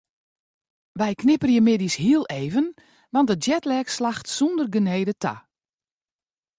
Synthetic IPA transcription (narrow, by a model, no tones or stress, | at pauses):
ʋɛjkʰnɪpərjəmɪdishiəlˠeːvən | ʋɑnt̚dəd͡ʒjɛtlɛkslaxtsundərɡəneːjdətʰa̰